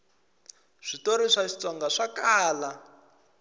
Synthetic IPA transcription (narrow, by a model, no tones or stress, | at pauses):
ʐ̥itoɾiʂaʃi̥t͡sɔŋɡaʂakaːla